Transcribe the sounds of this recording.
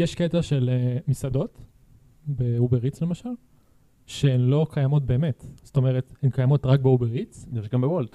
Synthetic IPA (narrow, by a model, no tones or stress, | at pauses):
jeʃket̪aʃe̞lemisad̪o̞t̪ | beubeʁit͡sle̞maʃal | ʃeenlo̞kʰajamot̚be̞ːmet̪z̥t̪o̞me̞ʁet̪hemkajamo̞tʁak̚beubeʁit͡sniʁʃeɡambewolt